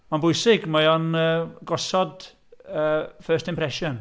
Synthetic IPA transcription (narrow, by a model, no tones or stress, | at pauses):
manbʊjsɪɡmajɔnəːɡɔsɔd | əːfəːstɪmpɾɛʃɔn